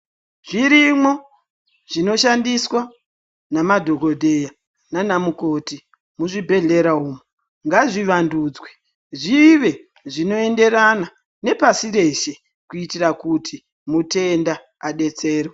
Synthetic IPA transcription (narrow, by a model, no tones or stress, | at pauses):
ʐ̥iɾimo̞ | ʐino̞ʃandiswa | namadʱoɡʱo̞dʱe̞ja | nanamuko̞ti | muʐibʱe̞ɮe̞ɾauːmo | ŋɡaʐiʋanduːd͡zwe | ʐiʋe̞ | ʐino̞e̞nde̞ɾana | ne̞pasire̞ʃe | kuitirakutʰi | mute̞nda | aɗe̞t͡se̞ːrwe